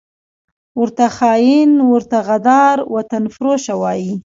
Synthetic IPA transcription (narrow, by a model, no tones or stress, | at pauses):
wəɾt̪axɑːjɪnwəɾt̪aɣad̪ɑɾwat̪anfɾoʃawɑji